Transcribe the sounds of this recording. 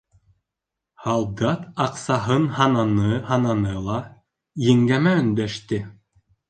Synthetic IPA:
hɑlˠd̪ɑt̪ɑqsɑɦɤnhɑnɑnɤhɑnɑnɤlˠɑ | jɘ̆ŋɡæmæɵ̆nd̪æʃt̪ɘ

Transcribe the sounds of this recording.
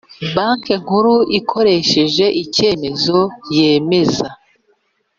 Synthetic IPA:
baŋkeŋ̥uɾuʔikʰo̞ɾe̞ʃe̞ʒe̞ʔice̞ːme̞zo̞je̞ːme̞za

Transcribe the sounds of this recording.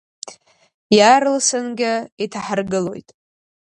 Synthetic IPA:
jaɾɨlsɨnɡʲɪitʰaħarɡɨlo̞jtʼ

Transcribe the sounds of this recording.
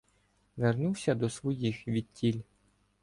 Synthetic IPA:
ʋernuwsʲɐd̪ɔsʋɔjixʋʲid̪̚tʲilʲ

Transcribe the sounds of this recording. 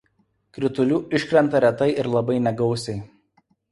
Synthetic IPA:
kɾʲɪt̪ʊlʲuːɪʃkɾʲɛnt̪ɐɾʲɛt̪ɐɪʔɪɾlˠɐbɐɪnʲɛɡɒʊsʲɛɪ

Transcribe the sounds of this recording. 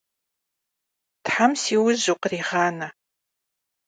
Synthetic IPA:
tħamsiːwʊʑuqəriːʁɑːnɐ

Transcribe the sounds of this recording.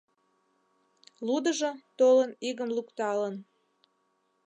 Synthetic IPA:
lud̪əʒot̪oləniɣəmlukt̪ɑlən

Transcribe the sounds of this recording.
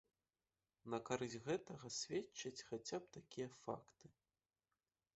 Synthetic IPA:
nɐkaɾɨzʲɣɛt̪ɐɣɐsʲvʲet͡ʃːɐt͡sʲxat͡sʲap̚t̪akʲijɐfa̰kt̪ɨ̥

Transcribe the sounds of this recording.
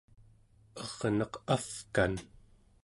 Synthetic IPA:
ʌʁnʌqafkan

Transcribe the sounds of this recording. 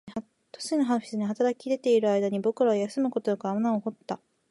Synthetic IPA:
t̪o̥sinoɦaɸʲi̥sɨɲ̟iɦat̪aɾakʲid̪e̞t̪e̞iɾɯ̟aid̪aɲ̟ibo̞kɯɾaojasɨmɯ̟kot̪ojokɯamanaoho̞t̪ːa

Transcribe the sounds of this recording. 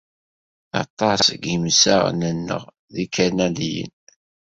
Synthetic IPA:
ɑ̰t̪ˤːɑsɡimsæ̰ʁnənːə̰ʁ | ðikʰænælijə̰n

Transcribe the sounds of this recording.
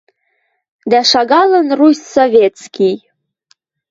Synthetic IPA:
d̪æʃɑɣɑlənrusʲsovʲet̪skʲij

